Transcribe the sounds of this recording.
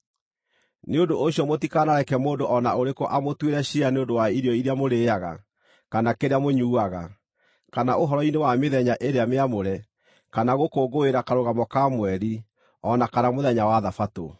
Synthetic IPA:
neondoʔoɕjɔmotikanaɾɛkɛmoːndoʔɔnaoɾekɔʔamotweɾɛɕianeondowaiɾiɔiɾeamoɾeːaɣa̰ | kanakeɾeamoɲuːaɣa̰ | kanaʔoɦɔɾɔinewameðɛɲaʔeɾeameamoɾɛ | kanaɣokoːɡoeɾakaɾoɣamɔkamwɛɾi | ɔnakanamoðɛɲawaðafato̰

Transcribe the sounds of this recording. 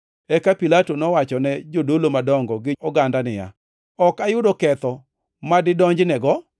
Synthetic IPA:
ɛkapilatonɔwat͡ʃɔnɛd͡ʒodolomadɔŋɡɔɡɪɔɡandanɪja̰ | ɔkajʊdɔkɛt̪ɔ | madɪdɔɲd͡ʒnɛɡɔ

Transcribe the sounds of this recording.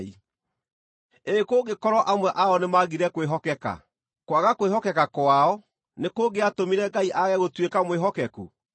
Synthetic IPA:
i | eːkoɡekɔɾɔʔamwɛʔaɔnemaɣiɾɛkweɦɔkɛka̰ | kwaɣakoeɦɔkɛkakwaɔ | nekoːɡeatomiɾɛɡaiʔaɣɛɣotwekamweɦɔkɛkṵ

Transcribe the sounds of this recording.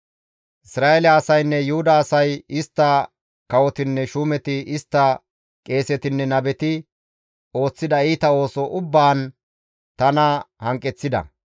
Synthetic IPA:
ʔɪsɾaːɛlaːsɐjnːɛjʊhʊd̪ɐːsɐjɪst̪ːɐ | kɐwɔt̪ɪnːɛʃuːmɛt̪ɪɪst̪ːɐ | kʼe̞ːsɛt̪ɪnːɛnɐbɛt̪ɪ | o̞ːt͡sːɪd̪ɐiːt̪ɐo̞ːsɔʔʊbːaːn | t̪ɐnɐhɐŋkʼːɛt͡sːɪd̪ɐ̰

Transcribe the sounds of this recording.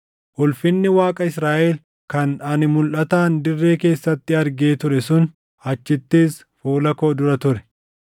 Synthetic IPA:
ʔʊlfɪnːɪwaːkʼɐɪsɾaːʔel | kɐnɐnɪmʊlʔɐt̪aːnd̪ɪrːe̞ːke̞ːsːɐt̪ːɪɐɾɡeːt̪ʊɾɛsʊn | hɐt͡ʃːɪt̪ːeːs | foːlɐkoːd̪ʊɾɐt̪ʊɾɛ̥

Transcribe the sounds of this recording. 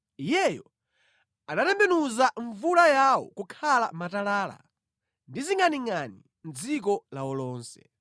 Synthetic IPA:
ijɛjɔ | anatɛmbɛnuzaɱvulajawɔ̰kukʰala̰matalaːla̰ | ndiziŋaniŋani | n̩d͡zik̬ɔlawɔlɔːnsɛ̰

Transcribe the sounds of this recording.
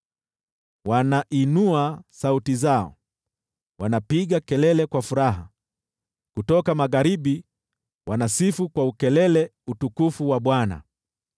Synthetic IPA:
wanaʔinuasautizaɔ̰ | wanapiɠakɛlɛlɛkwafuɾaɦa̰ | kutɔkamaɣaɾiɓi | wanasifukwaukɛlɛlɛutukufuwaɓwana̰

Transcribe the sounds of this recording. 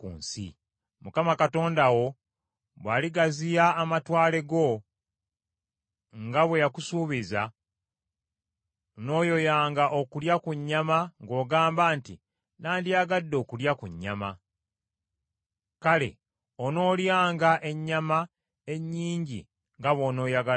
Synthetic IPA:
kṵːnsḭ | mukamakato̞ːndawo̞ | βwaːliɡazijaːmatwaːle̞ɡo̞ | ŋɡaβwe̞jakusuːβiza | no̞ːjo̞jaːŋɡaʔo̞kuljakuɲːamaŋɡo̞ːɡaːmbaːntḭ | naːndiaɡadːo̞ːkuljakuɲːa̰ma | kale̞̰ | ono̞ːljaːŋɡaʔe̞ɲːama | e̞ɲːiːɲɟḭ | ŋɡaβo̞ːno̞ːjaɡa

